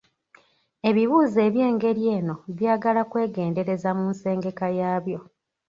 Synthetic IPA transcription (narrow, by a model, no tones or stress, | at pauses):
e̞βiβuːze̞ːβje̞ːŋɡe̞ɾije̞ːno̞βjaːɡalakwe̞ːɡe̞ːnde̞ɾe̞zamunse̞ːŋɡe̞kajaːβjo̞